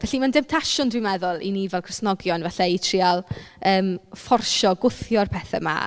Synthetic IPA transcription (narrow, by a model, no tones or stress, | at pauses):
vɛɬimandɪmtʰaʃʊndwɪmɛðʊlˠḭnivɛlˠkʰrɪsnɔɡjɔnvɛɬaitʰrialˠəːmfɔrʃɔɡʊθjɔrpʰɛθɛ̰ma̰